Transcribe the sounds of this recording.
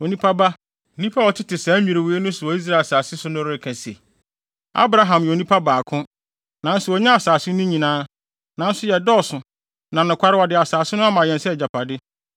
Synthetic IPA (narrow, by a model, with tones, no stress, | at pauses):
o˨nĩ˦pʰa˦ba˦˨ | nĩ˦pʰa˦wɔ˨tʰɪ˦tɪ˨sã˨˦mᶣĩ˨ɾɪ˨wu˨e˦nʊ̃˦sʊ˨ɔ˨i˦s̬ɾa˦˨e˨saː˨sɪ˦sʊ˦nʊ̃˦ɾɪ˦ɪ˨kʰæ̃˨sḛ˨ | a̰˦bɾa˦ɦã˨mjɛ˨o˨nĩ˦pʰa˦baː˨kʰʊ̃˦ | nã˨n̩˦sʊ˨ɔ˨ɲã˦a˨saː˨sɪ˦nʊ̃˦ɲĩ˨nãː˦ | nã˨n˦sʊ˦jɛ˨dɔ˦˨sʊ˨ | nã˨nʊ̃˨kʷa˦ɾɪ˦wɔ˨dɪ˨a˨saː˨sɪ˦nʊ̃˦a˦mã˨jɛ̃˨nsɛ˦˨d͡ʑa˨pʰa˨dɪ˦